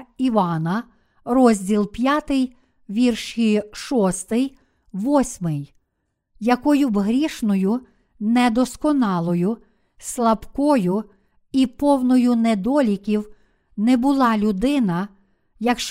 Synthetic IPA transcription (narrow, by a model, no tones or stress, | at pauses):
iʋɑnɐ | rɔzʲdʲilˠpʲjɑt̪ɪj | ʋʲirʃiʃɔst̪ɪj | ʋɔsʲmɪj | jɐkɔjʊbɦɾʲiʃnɔjʊ | nɛd̪ɔskɔnɑlˠɔjʊ | slˠɐbkɔjʊ | ipɔwnɔjʊnɛd̪ɔlʲikʲiw | nɛbʊlˠɑlʲʊd̪ɪnɐ | jɐkʃ